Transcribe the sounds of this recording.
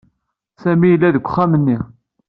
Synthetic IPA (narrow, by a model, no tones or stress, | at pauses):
sæmijəlːæðəkʷːχːæmənːi